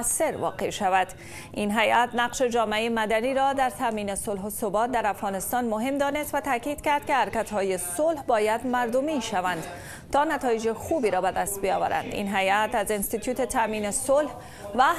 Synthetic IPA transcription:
sːeɾʋɒ̰qḛʃavad̪ | inɦajʔæt̪naqʃed͡ʒɒːmeeemad̪aniɾɒd̪aɾt̪ʰamiːnesolɦosobɒt̪̚d̪aɾafɣɒːnɪst̪ɒnmoɦemd̪ɒːnest̪vat̪aːkiːd̪̥kaɾd̪̚kehaɾkat̪hɒːjesolhbɒːjad̪maɾd̪omiʃavand̪ | t̪ɒnat̪ɒːjed͡ʒexubiɾɒbad̪ast̪̚bijɒːva̰ɾa̰nd̪ḭnɦajæt̪azenst̪it̪ʰjuːt̪et̪ʰamiːnesolh | va

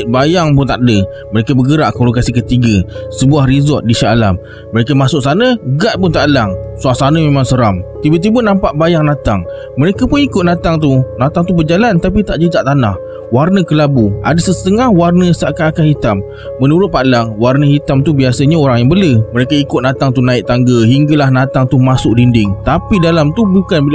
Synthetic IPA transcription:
bajaŋpʊnt̪aʔdə | məɾekəbəɡəɾaʔkolokasikət̪iɡəsəbuahɾizɔt̪̚diʃaala̰mː | əɾekəmasʊʔ̚sanəɡaʔ̪̚pʊnt̪aʔlaŋsuaʔsanəmemãŋsəɾamt̪ibət̪̬ibənãmpaʔbajaŋnãt̪aŋ | məɾekapʊnikʊt̪̚nãt̪aŋt̪unat̪aŋt̪ubərd͡ʒalant̪ap̬it̪aʔd͡ʒəd͡ʒaʔt̪ana̰h | warnəkəlabua̰dəsəst̪əŋahwarnəsakaakanhit̪amː | ənuɾʊt̪̚palaŋwarnəhit̪amt̪ubiasəɲaoɾaŋjaŋbələməɾekəikʊt̪̚nat̪aŋt̪unaɪʔ̚t̪aŋɡəɦiŋɡalahnat̪aŋt̪umasʊʔ̚dindɪŋt̪apidalamt̪ubukanbi

